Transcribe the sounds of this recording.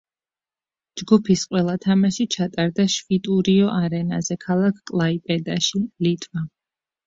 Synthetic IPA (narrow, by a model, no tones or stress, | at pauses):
d͡ʒɡupʰisqʼwɛlˠat̪ʰamaʃit͡ʃʰat̪ʼaɾd̪aʃvit̪ʼuɾiɔʔaɾɛna̰zɛkʰalˠakʰkʼlˠaipʼɛd̪aʃilit̪ʼva